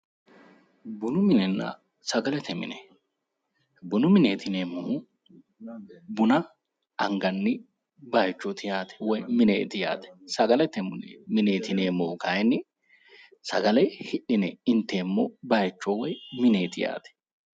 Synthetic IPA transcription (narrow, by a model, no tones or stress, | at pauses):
bʊnʊmɪnɛnːɐ̰ | sɐɡɐlɛt̪ʰɛmɪ̰nɛ | bʊnʊmɪneːt̪ʰɪneːmːo | bʊnɐ | ɐŋɡɐnːɪ | bɐjt͡ʃːɔt̪ɪjaːt̪ʰɛ̥wɔjmɪnḛːt̪ɪja̰ːt̪ɛ̥sɐɡɐlɛt̪ɛmʊnemɪne̞ːt̪ɪneːmːoːkɐjnːɪ | sɐɡɐlɛjhɪʔɪnɛɪnt̪ːeːmːɔbɐjt͡ʃːɔwɔjmɪneːt̪ɪja̰ːt̪ɛ̥